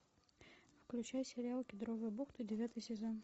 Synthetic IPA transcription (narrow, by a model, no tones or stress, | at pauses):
fklʲʉt͡ɕæjsʲɪɾʲɪalˠkʲɪd̪ɾovɨjəbuxt̪ɨdʲɪvʲat̪ɨjsʲɪzon